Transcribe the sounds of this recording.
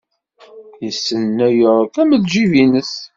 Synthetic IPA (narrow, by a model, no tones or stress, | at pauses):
jəsːənːæjəɾˤkæməðʒivinəs